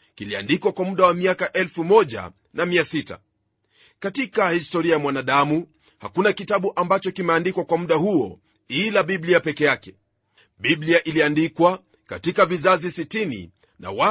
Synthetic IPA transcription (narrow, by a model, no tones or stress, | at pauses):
kilia̰ndikwakwamuɗawamiakaʔɛlfumɔʄa̰ | namiasita̰ | katikahistɔɾiajamwanaɗamu | ha̰kunakitaɓuʔambat͡ʃɔkimɛandikwakwamuɗahuɔ | ilaɓibliapɛkɛjakɛ | ɓiɓliaʔiliandikwa | ka̰tikavizazisitinḭ | na̰wa